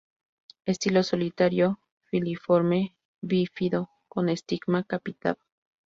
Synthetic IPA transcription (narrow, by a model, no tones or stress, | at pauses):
est̪ilosolit̪aɾjo | filifoɾme | βifiðo | konest̪ikmakapit̪a̰l